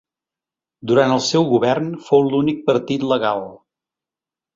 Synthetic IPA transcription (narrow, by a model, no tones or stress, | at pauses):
d̪uɾant̪əlˠsɛwɣuβɛrnfowlunik̚pəɾt̪it̪ləɣalˠ